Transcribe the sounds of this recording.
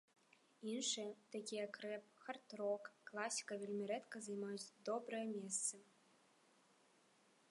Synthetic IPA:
inʂɨjɛt̪akʲijɛkɾɛp̚xart̪ɾɔkːlˠasʲi̥kɐvʲelʲmʲiɾɛt̪kɐzajmajut͡sʲd̪ɔbɾɐjɐmʲɛst̪sɐ

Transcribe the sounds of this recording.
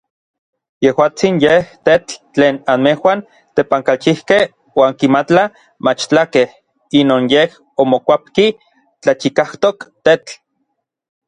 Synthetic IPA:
jehwaːt͡sinjeht̪et͡ɬt͡ɬeːnanmehwan | t̪epaŋkalt͡ʃihkeh | waːŋkimat͡ɬa | mat͡ʃt͡ɬakeh | inoːnjeh | omokʷap̚ki | t͡ɬat͡ʃikaht̪okt̪et͡ɬ

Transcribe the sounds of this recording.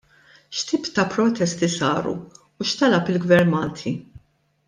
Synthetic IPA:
ʃt̪iːpt̪ɐpɾɔt̪ɛst̪isɐ̰ːɾṵː | ʃt̪ɐlɐpɪlɡvɛɾmɐːt̪ʰi

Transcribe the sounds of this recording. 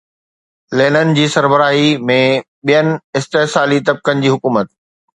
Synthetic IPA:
leːnənɪ̆d͡ʑiːsɐɾbəɾaːɦimẽ | ɓijənɪ̆ɪst̪eɦsaːlit̪ɐb̚kənɪ̆d͡ʑiːɦʊkuːmət̪̚

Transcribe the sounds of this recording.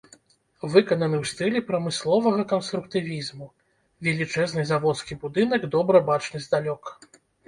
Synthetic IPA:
vɨkɐnɐnɨwst̪ɨlʲipɾɐmɨslˠɔvɐɣɐkɐnst̪ɾukt̪ɨvʲizmu | vʲɛlʲit͡ʂɛznɨzavɔt̪skʲibud̪ɨnɐɡd̪ɔbɾɐbat͡ʂnɨzʲd̪alʲɔkɐ

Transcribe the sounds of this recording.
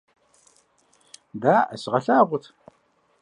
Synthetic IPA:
daːʔɐ̰sʁɐɬaːʁʷʊtʰ

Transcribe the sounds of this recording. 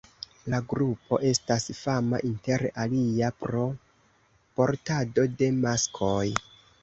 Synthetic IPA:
laɡɾupʰo̞̰ʔe̞stasfama̰ʔinte̞ɾaliapɾo̞ | po̞ɾtado̞de̞maskʰo̞j

